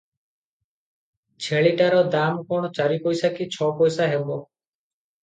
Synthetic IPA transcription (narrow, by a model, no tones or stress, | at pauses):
t͡ʃʰeɭiʈaɾɔd̪amkɔɳ̃ɔt͡ʃaɾipɔjsakit͡ʃʰɔpɔjsaɦebɔ